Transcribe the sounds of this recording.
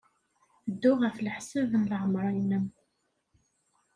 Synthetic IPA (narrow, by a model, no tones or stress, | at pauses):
d̪ːʊʁəfləħsəvənləʁəmɾˤɑjnəm